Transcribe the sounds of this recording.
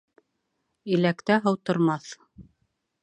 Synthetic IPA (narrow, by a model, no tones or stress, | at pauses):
ilækt̪æɦɤ̆wt̪ŏɾmɑθ